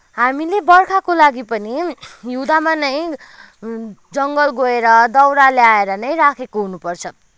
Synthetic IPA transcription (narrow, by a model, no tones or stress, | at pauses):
ɦamilebʌrkʰakolaɡipʌnijud̪amanʌj | d͡zʌŋɡʌlɡoeɾʌd̪ʌwɾaljaeɾʌnʌjɾakʰekoɦunupʌrt͡sʰʌ